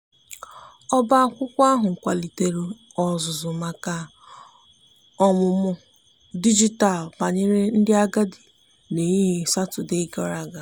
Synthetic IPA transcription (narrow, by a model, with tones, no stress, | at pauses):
ɔ˦ba˦a˦kʷʊ˦kʷa˦ɦʊ˨ŋ̩˨kʷa˨li˨te˨ɾu˦ | ɔ˨zʊ˨zʊ˨ma˨ka˨ | ɔ˦mʊ˨mʊ˦ | di˦d͡ʒi˦ta˨lpa˨ɲe˦ɾe˦n̩˦dɪ˦a˦ɡa˦di˨ | ne˨ɲi˦ɦi˨sa˦tʊ˨de˦kɔ˦ɾa˦˨ɡa˨